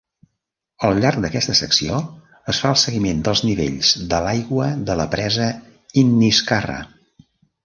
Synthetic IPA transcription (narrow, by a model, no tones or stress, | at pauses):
əlˠʎaɾk̚d̪əkɛst̪əsəksio | əsfaəlˠsəɣimend̪əlˠzniβḛʎz̥ðəlajɣwəðələpɾɛzə | inːiskarə̰